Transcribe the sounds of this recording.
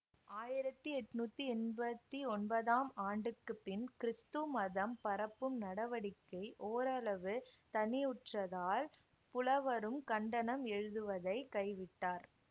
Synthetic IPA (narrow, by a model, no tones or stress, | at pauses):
aːjɪɾɐt̪ːɯɛʈːɯnuːt̪ːiɛnbɐt̪ːiɔnbɐðaːmaːɳɖɯkːɯpːɪnkɪɾɪst̪ɯmɐðɐmpɐɾɐpːɯmnɐɽɐʋɐɽɪkːɐɪʔoːɾɐlɐʋɯt̪ɐnɪjʊʈrɐðaːl | pʊlɐʋɐɾɯmkɐɳɖɐnɐmɛɻɯðɯʋɐðɐɪkɐɪʋɪʈːaːɾ